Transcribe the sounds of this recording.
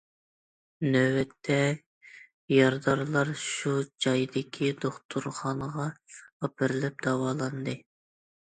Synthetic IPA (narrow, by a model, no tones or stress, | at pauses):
nøwɛt̪ʰːɛ | jɑɾd̪ɑɾlˠɑɾʃud͡ʒɑjd̪ɪkʲʰid̪oχt̪ʰuɾχɑnəʁɑːpʰɨɾlɛp̚d̪̥ɑwɑːlˠɑnd̪ɨ